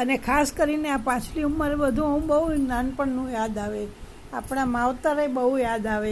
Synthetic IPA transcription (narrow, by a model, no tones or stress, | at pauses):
ənekʰaskəɾineapãt͡ʃʰliumːəɾebəd̪ʱũəũbəɦunanpəɳnũjad̪aʋe | apɳ̃amaʋt̪aɾebəɦujad̪aʋe